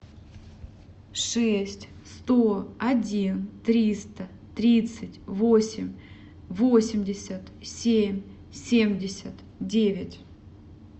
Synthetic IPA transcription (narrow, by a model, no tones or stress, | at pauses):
ʂɛsʲtʲ | st̪oɐdʲint̪ɾʲist̪ə | t̪ɾʲit̪sɨtʲvo̞sʲɪmʲ | vosʲɪmʲdʲɪsʲət̪sʲemʲ | sʲemʲdʲɪsʲət̪ | dʲevʲɪtʲ